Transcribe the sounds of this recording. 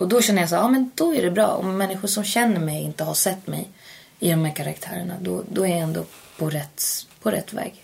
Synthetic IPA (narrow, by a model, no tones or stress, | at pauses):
ɔd̪ɔɕɛnːəjas̬æːɑːmɛnd̪̥ɔæɖɛbɾɑ̰ːɔ̰mːɛnːɪɧʊʂɔmɕɛnːəɾmɛjɪ̰nt̪əhaʂɛt̪ːmɛ̰j | ɪd̪ɔmhæːɾkʰaɾa̰kt̪ʰæːɾəɳa̰d̪ɔd̪ɔæɾjajɛnd̪o̰pʰɔɾɛt̪ːpʰɔɾɛ̰t̪ːvɛ̰ːɡ